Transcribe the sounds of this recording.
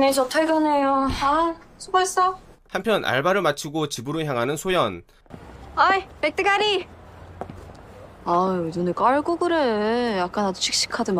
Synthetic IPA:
net͡ɕʰotʰaɡʌnejoasʰubas͈ʌhampʰjʌnʔa̰ɭbaɾɯɭmat͡ɕʰiɡot͡ɕibɯɾoçjaŋɦanɯnsʰojʌn | ajpek̚t͈ɯɡaɾi | adonekaɭɡoɡɯɾɯjak̚k͈anadot͡ɕʰik̚ɕ͈i̥kʰadɯm

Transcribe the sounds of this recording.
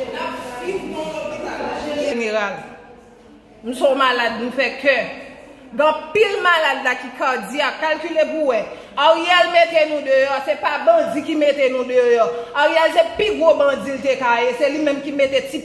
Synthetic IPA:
nai | ʒeneɣal | nũsɔ̃malad̚nũfɛkɛ | ɡãpilmalad̪lakikad͡ziakalkylepuwɛ | aɣijɛlmet̪enũd̪øjɔsepabʌ̃d͡zikimet̪enũd̪øjɔaɣijɛlsepiɡwobɐ̃d͡zilt̪ekajeselimɛ̃mkimet̪eti

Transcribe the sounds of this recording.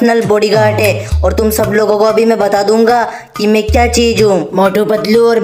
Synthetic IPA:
nəlboːɽiɡaːɾʈɦɛ̃ːɔːɾt̪ʊmsɐbloːɡõkoɐbʱimɛ̃bɐt̪aːd̪ũːŋ̆ɡaː | kimɛ̃kjaːt͡ʃiːd͡ʒɦũmɔːʈobəd̪luɔːɾ

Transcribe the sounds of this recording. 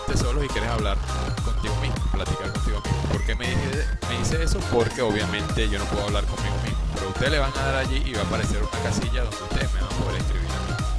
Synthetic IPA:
t̪e̞so̞loikje̞ɾesaβlaɾko̞nt̪iɣo̞mizmoplat̪ikaɾkont̪iɣomizmopo̞ɾke̞meiemeðise̞eso̞po̞ɾke̞o̞βjamẽ̞nt̪e̞ʝo̞no̞pweðoaβlaɾko̞nmiɣo̞mizmope̞ɾoust̪eele̞βaŋaðaɾaʝiʔiβaːpaɾe̞se̞ɾunakasiʝaðo̞nd̪e̞ust̪e̞ðemeβaŋapo̞ðeɾehkɾiβḭɾa̰ɣi

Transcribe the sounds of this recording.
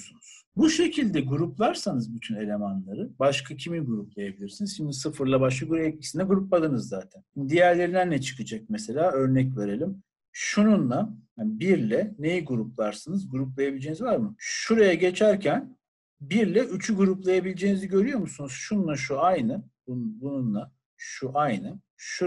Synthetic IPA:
sunuz̥buʃe̞cʰilʲd̪ɛɡuɾuplˠaɾsanɯzbyt̪ʰyne̞lʲe̞manlˠaɾɯbaʃkʰacʰiminɡuɾuplˠajabilʲiɾsinizʃimd̪isɯfɯɾlˠabaʃ̬kaɡuɾɛt̪̚cʰi̥sinɛɡuɾup̚lˠalˠɯnɯzːaːt̪ʰænʃnid̪ijæɾlʲe̞ɾinænːɛt͡ʃʰɯ̥kʰɯd͡ʒak̚mese̞lʲaːø̞ɾnɛcve̞ɾe̞lʲim | ʃununlˠahabiɾlʲɛnejiɡuɾup̚lˠaɾsɯnɯzɡuɾuplˠajabilʲed͡ʒeːnizvaɾmɯʃuɾajaɟe̞t͡ʃʰæɾcʰæn | biɾlʲɛʔyt͡ʃʰyɡuɾuplˠajabilʲed͡ʒeːniziɟø̞ɾyjo̞musunuz̥ʃunlˠaʃuajnɯbunbununlˠa | ʃuʔajnɯ | ʃu

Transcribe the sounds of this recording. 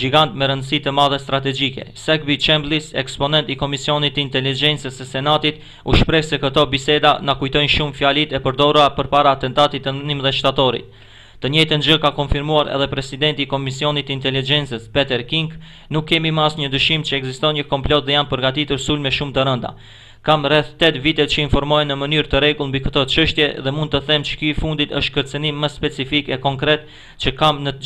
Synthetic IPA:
d͡ʒiɡant̪mɛɾənd̪əsit̪əmaðɛst̪ɾat̪̬ɛd͡ʒikɛ̰sɛk̚bit͡ʃɛmblisɛ̰kspɔnɛnt̪ikɔmisiɔnit̪ːəint̪ɛlid͡ʒɛnt͡səsəsɛnat̪it̪ | uʃpɾɛhsɛkət̪ɔbisɛd̪anakujt̪ɔjnʃumfjalit̪ɛpəɾd̪ɔɾuapəɾpaɾaːt̪ɛnt̪at̪it̪ːənnimðɛʃt̪at̪ɔɾḭt̪̚ː | əɲɛjt̪ənd͡ʒəkakɔnfiɾmuaɾɛ̰ðɛpɾɛsid̪ɛnt̪iːkɔmisiɔnit̪ːəint̪ɛlid͡ʒɛnt͡səspɛt̪ɛɾkiŋk | nukːɛmimasɲəd̪yʃimt͡ɕəɛɡzist̪ɔnɲəkɔmplɔt̪̚ðɛjanpəɾɡat̪it̪uɾsulmɛʃumt̪əɾənd̪a̰ | kamrɛθt̪ɛt̪vit̪ɛt͡ɕəinfɔɾmɔjnːəmənyɾt̪əɾɛɡulˠnmbikət̪ɔt͡ʃəʃt̪jɛðɛmund̪̚t̪əθɛmt͡ʃə̥kyifund̪it̪əʃt̪kəɾt͡sənimːəspɛt͡sifikɛkɔŋkɾɛt̪̚ | t͡ʃəkamnə

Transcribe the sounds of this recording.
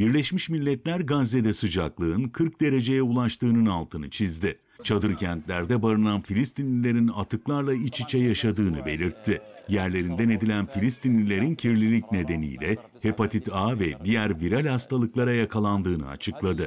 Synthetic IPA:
biɾlʲɛʃmiʃmilʲːɛt̪lʲæɾɡaze̞d̪ɛsɯd͡ʒaklˠɯɯnkʰɯɾk̚d̪e̞ɾe̞d͡ʒe̞jɛulˠaʃt̪ʰɯːnɯnalˠt̪ʰɯnɯt͡ʃʰizd̪ɪ | t͡ʃʰad̪ɯɾcʰænt̪lʲæɾd̪ɛbaɾɯnanfilʲist̪ʰinlʲilʲe̞ɾinat̪ʰɯklˠaɾlˠait͡ʃʰit͡ʃʰɛjaʃad̪ɯːnɯbe̞̰lʲiɾt̪ʰːɪjæɾlʲe̞ɾind̪æne̞d̪ilʲænfilʲist̪ʰinlʲilʲe̞ɾincʰiɾlʲilʲicne̞d̪e̞nḭjlʲɛ | he̞pat̪ʰit̪aːvɛd̪ijæɾviɾalʲhast̪ʰalˠɯklˠaɾajakʰalˠand̪ɯːnɯ̰a̰t͡ʃʰɯklˠad̪ɯ

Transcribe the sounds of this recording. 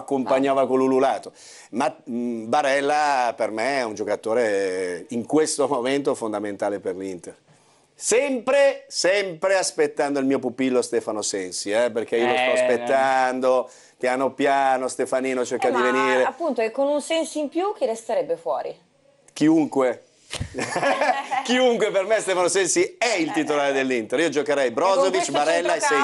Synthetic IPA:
akːomaɲːaːvakolːululaːt̪o | mabaɾɛlːapermeɛund͡ʒokat̪oːɾeiŋkwest̪omoment̪ofond̪ament̪aːleperlint̪er | sɛmpɾesɛmpɾeaspet̪ːand̪oilmiːopupilːost̪ɛːfanosɛnsiɛperk̟eiːolost̪ɔaaspet̪ːand̪o | pjaːnopjaːnost̪efaniːnot͡ʃerkad̪iveniːɾeapːunt̪oekːonunsɛnsoimpjuk̟iɾest̪eɾɛbːefwɔ̰ːɾḭ | k̟iuŋkwe | k̟iuŋkwepermest̪ɛfanosɛnsiɛilt̪it̪olaːɾed̪elːint̪eɾiːod͡ʒokeɾɛjbɾɔzovit͡ʃːbaɾɛlːajsɛ

